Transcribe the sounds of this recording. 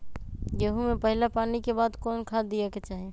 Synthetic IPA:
jeɦumẽpɐɦɪlapaːnikebaːd̪kɔːnkʰaːd̪ijaket͡ʃaːɦeː

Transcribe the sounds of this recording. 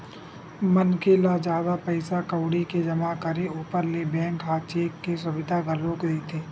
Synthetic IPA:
mɐnkelad͡ʒjaːd̪apɐɪsakɐwɽiked͡ʒɐmakəɾeuːpəɾlebɛ̃ːŋkɦaːt͡ʃeːkːes̬ʊʋɪd̪ʱaɡʱɐlõket̪ʰeː

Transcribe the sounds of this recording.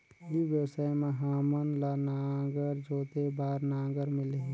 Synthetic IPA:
jiʋjəsəmẽɦaːmənlanaːɡəɾd͡ʒoːt̪ebaːɾnãːɡəɾmɪle

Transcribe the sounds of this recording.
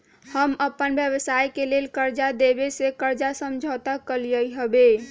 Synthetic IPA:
həməpːənbjəbəsajkelelkəɾd͡ʒad̪ebesekəɾd͡ʒasəmd͡ʒʱət̪akəlijəjɦəbe

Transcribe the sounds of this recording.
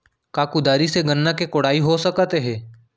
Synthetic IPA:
kaːkud̪aːɾiseɡənːakekʊɽaːiɦosəkət̪eɦɛ̃ː

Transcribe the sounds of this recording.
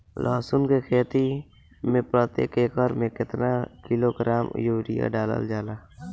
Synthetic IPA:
lʔaːsʊnkekʰeːt̪i | mẽpɾəːt̪ḛːkeːkəɾmẽkɪt̪nakɪloːɡɾaːmjuːɾɪja̰ɖaːlə̰ld͡ʒaːlaː

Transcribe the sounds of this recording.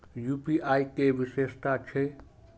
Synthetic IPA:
juːpiʔaːikeʋɪʃeːst̪at͡ʃʰe

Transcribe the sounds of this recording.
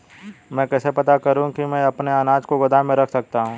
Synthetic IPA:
mɛ̃kɛːsepɐt̪akɐɾũkimɛ̃ɐpneanaːd͡ʒkoɡɐd̪ʱamẽɾɐkʰsɐk̚t̪aɦũː

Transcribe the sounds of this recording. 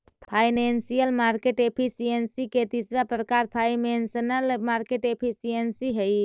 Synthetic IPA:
pʰajnensijəlmaɾkeʈepʰisijensiket̪isɾapɾəkaɾpʰajmensənəlmaɾkeʈepʰisijensiɦəj

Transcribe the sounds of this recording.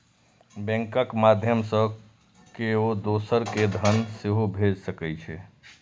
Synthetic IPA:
bɛ̃ŋkəkmad̪ʱjəmsə̃ | keod̪osəɾked̪ʱənseɦobʱed͡ʒsəkɛt͡ʃʰɛ

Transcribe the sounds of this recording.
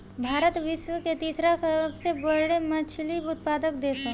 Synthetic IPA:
bʱaːɾət̪ʋɪʃwəket̪iːsɾasəəbsebəɽemɐt͡ʃʰlibʊt̪̚paːd̪əkd̪eːse

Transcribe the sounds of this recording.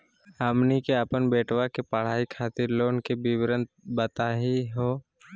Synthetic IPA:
əmnikeəpənbeːʈwakepəɽ̤aːikʰaːt̪ɪɾloːnkebiwɾə̃nt̪̚bət̪aːɦiɦoː

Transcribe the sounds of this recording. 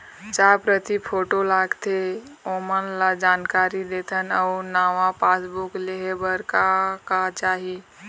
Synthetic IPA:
d͡ʒapɾət̪ipʰoʈolaɡt̪eomənlad͡ʒankaɾid̪et̪ʰənəʊnaʋapasbukleɦebəɾkakat͡ʃaɦi

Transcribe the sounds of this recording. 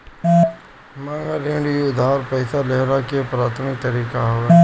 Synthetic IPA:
mãːŋɡaːleːɳɽiːʊd̪ʱaːɾpəɪsaːleɦɾakɪepɾaːt̪ʰmɪk̚t̪ɐɾiːkaɦoʋe

